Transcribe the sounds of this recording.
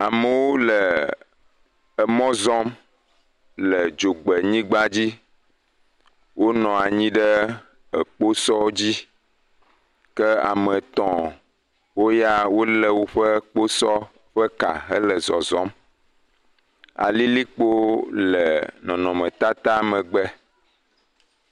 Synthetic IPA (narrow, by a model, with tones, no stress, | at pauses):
a˨mə˨wo˦lə˨ | ə˨mɔ̃˦zɔ̃˦m | lə˨d͡ʒo˨ɡ͡bə˨ɲĩ˦ɡ͡ba˦d͡ʑi˦ | wʔo˦nɔ̃˨a˨ɲĩ˦ɖə˦ | ə˨k͡po˦sɔ˦d͡ʑi˦ | kə˦a̰˨mə̃˨t̪ɔ̃˨ | wo˦ja˦wo˦lə˦wo˦ɸə˦k͡po˦sɔ˦ | ɸə˦ka̰˨ɦə˦lə˨zɔ˨zɔ̃˦m | a̰˨li˦li˦k͡po˦lə˨nɔ̃˨nɔ̃˨mɛ̃˨t̪a˦t̪a˦mə̃˨ɡ͡bɛ˦